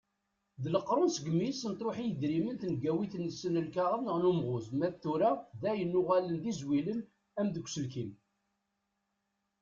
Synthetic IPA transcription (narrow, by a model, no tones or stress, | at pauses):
ðləqːɾˤʊnsəɡəmisənt̪ˤɾoħijəd̪ɾimənθənɡæwiθnːəsːənəlkaʁənəʁnumʁʊzmæθuɾæðæjənːʊʁælənðizwilən | æmðəkʷːsəlkin